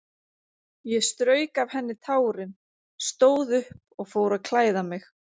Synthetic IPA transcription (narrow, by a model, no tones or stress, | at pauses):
jɛst̪ɾœːɥkav̥hɛnːɪt̪ʰaːwɾɪn | st̪oːwðʏhp | ɔɣfoːwɾaðkʰlaːjðamɪx